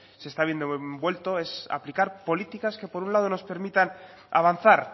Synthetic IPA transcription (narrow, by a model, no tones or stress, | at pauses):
se̞st̪aβjend̪ooembwe̞lt̪o̞e̞sa̰plikaɾpo̞lit̪ikaske̞po̞ɾunlað̞o̞no̞spe̞ɾmit̪an | aβ̞an̟θaɾ